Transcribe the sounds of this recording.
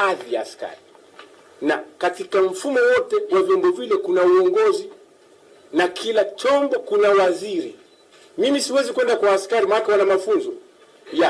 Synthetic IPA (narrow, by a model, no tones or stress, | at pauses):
aðijaːska̰ɾi | nakatikam̩fumɔwɔtɛwavjɔmbɔvilɛkunauɔŋɡɔzi | nakʰilat͡ʃɔmbɔkunawaziɾi | mimisiwɛzikuwɛndakwaːskaɾimanakɛwanamafunzɔ | ja